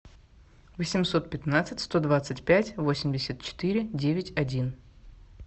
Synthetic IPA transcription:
vəsʲɪmso̞t̪̚pʲɪt̪nat̪sɨtʲst̪o̞d̪vat̪sɨtʲpʲætʲvo̞sʲɪmʲdʲɪsʲət̪̚t͡ɕɪ̥t̪ɨɾʲɪdʲevʲɪtʲɐdʲin

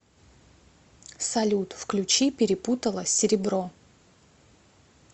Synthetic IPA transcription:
sɐlʲut̪fklʲʉt͡ɕipʲɪɾʲɪput̪əlˠəsʲɪɾʲɪbɾo

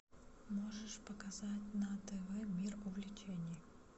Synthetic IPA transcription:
mo̞ʐɨʂpəkɐzatʲnɐt̪ɛvɛmʲirʊvlʲɪt͡ɕenʲɪj

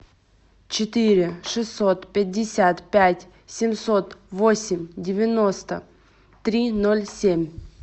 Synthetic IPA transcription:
t͡ɕɪt̪ɨɾʲɪʂɨsːot̪pʲɪdʲːɪsʲat̪pʲætʲ | sʲɪmsot̪vosʲɪmʲdʲɪvʲɪnost̪ə̰ | t̪ɾʲinolʲsʲemʲ

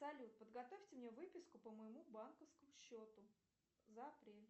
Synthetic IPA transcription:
sɐlʲut̪̚pəd̪ɡɐt̪ofʲtʲɪmnʲevɨpʲɪskʊpəməɪmubankəfskəmʊɕːot̪ʊ | zəɐpɾʲelʲ

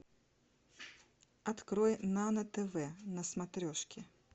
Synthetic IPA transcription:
at̪kɾɔjnanɐt̪ɛvɛnɐsmat̪ɾʲɔʂkʲɪ

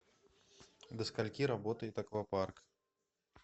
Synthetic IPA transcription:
d̪ɐskalʲkʲiɾabɔt̪ɐit̪akvapark

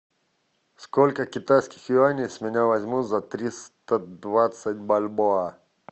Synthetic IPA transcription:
skolʲkəkʲɪt̪ajskʲɪxjʊanʲijsmʲɪnʲavɐzʲmut̪zɐt̪ɾʲist̪əd̪vat̪sət̚ʲbalʲboa

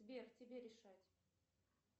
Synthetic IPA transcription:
vʲertʲɪbʲeɾʲɪʂatʲ

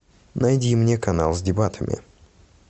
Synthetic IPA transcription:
nɐjdʲimnʲekɐna̰lˠzʲdʲɪbat̪ʰəmʲʔɪ̰

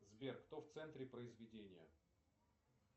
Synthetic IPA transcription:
zbʲerkt̪oft̪sɛnt̪ɾʲɪpɾəɪzvʲɪdʲenʲɪjə̰

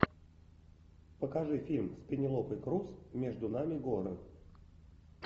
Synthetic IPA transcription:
pəkɐʐɨfʲilʲmspʲɪnʲɪlˠopɨjkɾusmʲeʐd̪ʊnamʲɪɡoɾɨ

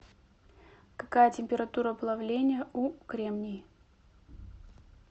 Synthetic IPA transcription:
kɐkajətʲɪmʲpʲɪɾɐt̪uɾəbɨlˠavlʲenʲɪjəukɾʲemnʲɪj

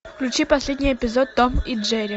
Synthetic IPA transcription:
klʲʉt͡ɕipɐsʲlʲed̪ʲnʲɪjɛpʲɪzot̪̚ːomiʐɛɾʲɪ

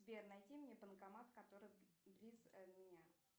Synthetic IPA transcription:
bʲernɐjtʲimnʲepənkɐmat̪kɐt̪o̞ɾɨjblʲizmʲɪnʲa

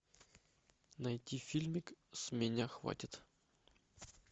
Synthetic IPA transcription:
najt̪ʲːifʲilʲmʲɪksmʲenʲaxva̰tʲɪt̪

